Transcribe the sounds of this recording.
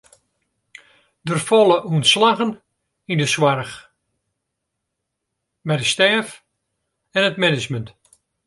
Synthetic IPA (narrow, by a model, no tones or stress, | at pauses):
dərfɔlˠəʔuənslaɣən | indəswarx | mɛjdəstɛːf | ɛnətmɛnət͡ʃmənt